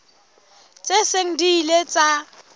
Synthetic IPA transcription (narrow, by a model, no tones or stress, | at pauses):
t͡sʼeseŋ̩diːlet͡sʼa